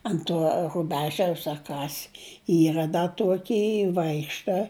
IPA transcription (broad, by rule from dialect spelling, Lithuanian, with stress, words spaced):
ɐnt ˈtuɔ rʊˈbʲæːʒʲɛʊs ɐ ˈkɐs ˈiːrɐ dɐ ˈtuɔkʲiː ˈʋɐɪkʃtɐ